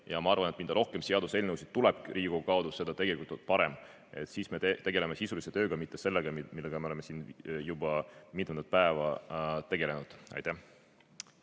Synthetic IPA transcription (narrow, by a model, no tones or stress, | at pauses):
jɑmɑɑrvɑnet̪ind̪̥ɑɾʔo̞hke̞mseɑd̪use̞lnewsi̥t̪uleb̥riːɡ̥ukɑod̪usːe̞d̪̥ɑt̪e̞ɡ̥e̞likult̪olt̪̚pɑɾem | e̞̰t̪siːsme̞et̪e̞ɡe̞le̞mesisulise̞t̪øːɡ̥ɑmit̪ːe̞se̞lːeɡ̥ɑmmilːeɡ̥ɑmeleme̞siːnjub̥ɑmit̪ment̪̚pæevɑt̪e̞ɡe̞le̞nud̪̥ɑ̰jt̪æh